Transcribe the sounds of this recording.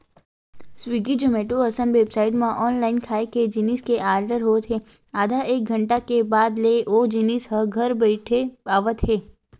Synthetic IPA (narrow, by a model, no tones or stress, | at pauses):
swiːɡid͡ʒomeːʈoɐsəmʋeːbsaːɪʈmãʔɔːnlaːɪnkʰaːeked͡ʒɪniskeʔaːɾɖəɾɦoːt̪ʰɦeː | aːd̪ʱaʔeːk̚ɡʱə̃ɳʈakebaːd̪leʔoːd͡ʒinɪsɦɐɡʱɐɾbɛɪʈʰebaːʋət̪ɦeː